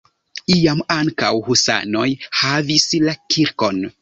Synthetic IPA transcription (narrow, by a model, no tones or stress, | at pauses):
iamaŋka̰whusa̰no̞jhavislakʰiɾko̞n